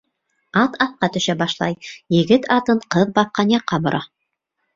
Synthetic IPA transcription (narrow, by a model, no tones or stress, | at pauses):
ɑt̪ɑθqɑt̪ɵ̆ʃæbɑʃlˠɑ̰jjɘ̆ɡɘt̪ɑt̪ɤɴqɤðbɑp̚qɑnjɑqːɑbŏɾʔɑ